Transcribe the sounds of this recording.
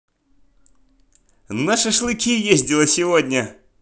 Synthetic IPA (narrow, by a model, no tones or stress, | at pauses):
naʂɨʂlˠɨkʲijezʲdʲɪlˠəsʲɪvodʲnʲə